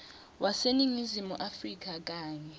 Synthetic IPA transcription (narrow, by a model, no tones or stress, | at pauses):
wʔasenimizimuʔafrik̬ak̬ʼaːɲɛ